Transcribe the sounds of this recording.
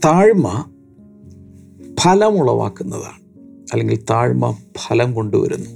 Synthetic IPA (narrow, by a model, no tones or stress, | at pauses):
t̪aːɻmɐ | pʰɐlɐmuɭːɐʋa̰ːkːunːɐða̰ːɳɨɐlːeŋɡilt̪aːɻmɐ̰pʰɐlɐmko̞ɳɖuʋɐ̰ɾunːu